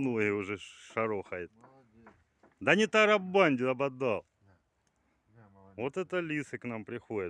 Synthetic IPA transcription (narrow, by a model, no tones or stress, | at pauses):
noɦɪjʊʐɛʂɐɾoxɐjɪt̪̚ | d̪anʲɪt̪ɐɾɐbbanʲdʲɪɐbɐd̪ɑlˠ | vot̪ɛt̪əlʲisɨknampɾʲɪxodʲə